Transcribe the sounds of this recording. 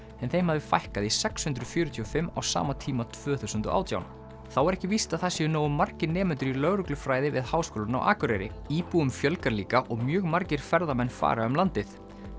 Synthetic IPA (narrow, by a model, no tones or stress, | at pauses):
ɛnθejmhaðvɪfajhkaðisɛkshʏnt̪ɾʏfjœːɾʏt̪ʰiːɔfɪmːa̰wsa̰ːmat̪ʰiːmat̪ʰv̥œːθuwsʏnt̪ɔ̰ʔa̰ːwt̪ja̰wn | θawɛɾɛhcɪvist̪aðθasɛʏnoːwʏmːar̥cɪnɛːmʏnt̪ʏɾilœɣɾʏklʏfɾaːjðɪvɪ̰ðhaːwskoːlʏna̰wʔa̰ːkʏɾɛjɾɪ̰iːpuʏmfjœlkaɾliːkaʔɔɣmjœːɣmaɾcɪɾ̥fɛɾðamɛnːfa̰ːɾaœmlant̪ɪθ